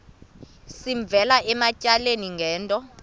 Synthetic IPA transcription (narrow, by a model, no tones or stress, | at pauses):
siɱb̪vʱɛlaʔɛmacʼaleniŋɡʱɛːntʼɔ